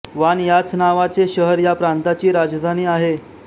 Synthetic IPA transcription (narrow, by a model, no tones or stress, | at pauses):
ʋanjat͡snaʋat͡seɕəɦəɾjapɾant̪at͡ɕiːɾad͡zd̪ʱaniːaɦe